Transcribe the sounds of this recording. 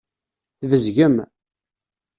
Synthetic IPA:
θvəzʝəm

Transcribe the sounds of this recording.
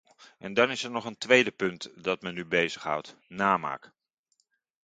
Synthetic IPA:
ʔɛndɑnɪsɛɹnɔχəntʋejdəpɵntdɑtmɛnːybejzəχɦʌ̰wtnaːma̰ːk

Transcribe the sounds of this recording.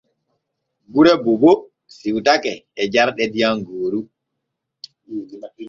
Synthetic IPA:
buɾɛbobo | siwtakɛːd͡ʒaɾɗɛdijaŋɡoːɾu

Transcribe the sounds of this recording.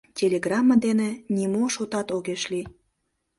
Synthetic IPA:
tʲelʲeɡrɑmːɑd̪enĕnʲimoʃot̪ɑt̪oɣeʃli

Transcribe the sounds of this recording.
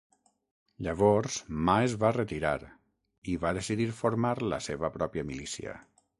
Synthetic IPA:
ʎəβɔɾz̥maezβarət̪iɾa̰ɾ | iβaðesiðiɾfoɾmaɾlə̰seβəpɾɔpjəmilisiə̰

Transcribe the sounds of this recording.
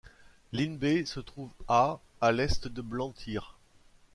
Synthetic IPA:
linbesət̪χuva | alɛst̪d̪əblɑ̃t̪ʰiːʁ

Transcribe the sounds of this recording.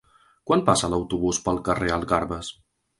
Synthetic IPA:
kwanpasələwt̪uβuspəlˠkəreəlˠɣaɾβəs

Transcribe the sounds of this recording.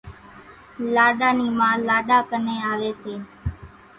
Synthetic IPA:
laːɗaːniːmãːlaːɗaːkəneːaːʋeːseː

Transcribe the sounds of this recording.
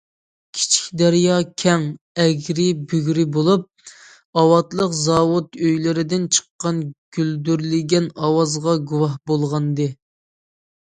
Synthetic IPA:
kʲʰi̥t͡ʃʰi̥kʲd̪æɾjɑkʲʰɛŋ | ɛɡʲɾɪbyɡʲɾɪbolˠup̚ | ɑwɑt̪lˠəqzɑwut̪øjlɪɾɪd̪ɪnt͡ʃʰə̥qːɑnɡ̥ʲyld̪yɾlɪɡʲɛnɑwɑzʁɑɡuwɑhbolˠʁɑnd̪ɨ

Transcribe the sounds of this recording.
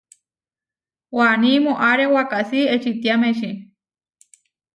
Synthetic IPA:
wanimoʔaɾewakaʔsiet͡ʃit̪jameʃi

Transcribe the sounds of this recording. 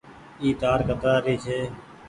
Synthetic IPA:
iːt̪aːɾkət̪ɾaːɾiːt͡ʃʰeː

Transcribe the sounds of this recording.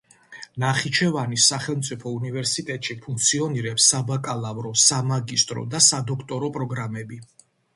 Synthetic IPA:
naχit͡ʃʰɛvanisːaχɛlˠmt̪sʼipʰɔunivɛɾsit̪ʼɛt̪ʼʃipʰuŋk̚t̪sʰiɔniɾɛpsːabakʼalˠavɾɔsamaɡist̪ʼɾɔ̰d̪asad̪ɔkʰt̪ʼɔɾɔpʼɾɔɡɾamɛbi

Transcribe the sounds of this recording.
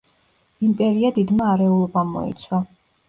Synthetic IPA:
impʼɛɾiad̪id̪maːɾɛulˠɔbamɔ̰ḭt̪sʰwa

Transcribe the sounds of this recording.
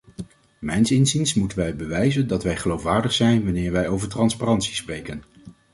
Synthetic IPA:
mɛjnsɪnzinsmutənʋɛjbəʋɛjzəndɑtʋɛjχəlowfʋaːɹdəχsɛjnʋɑnɪːɹʋɛjowvəɹtrɑnsparɑntsi̥sprejkən

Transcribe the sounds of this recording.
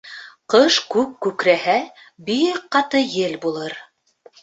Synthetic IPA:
qɤʃkʉp̚kʉkɾæhæ | biqqɑt̪ɤjɘlbulˠɤɾ

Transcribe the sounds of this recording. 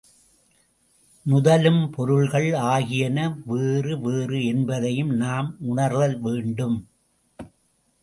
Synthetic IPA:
nʊðɐlɯmpɔɾɯɭɣɐɭaːɣɪjɐnɐʋeːrɯʋeːrɯɛnbɐðɐjɯmnaːmʊɳɐɾʋɐlʋeːɳɖɯm

